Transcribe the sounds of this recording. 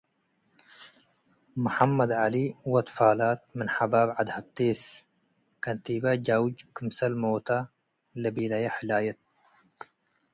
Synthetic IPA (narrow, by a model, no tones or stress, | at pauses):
mʊħamːɐd̪ʕaliwɐt̪faːlaːt̪̚mɨnħabaːbʕad̪hab̚t̪eːs | kɐnt̪ibad͡ʒawd͡ʒkʰɨmsɐlmoːt̪a | lɐbiːlɐjaħɪlaːjɐt̪̚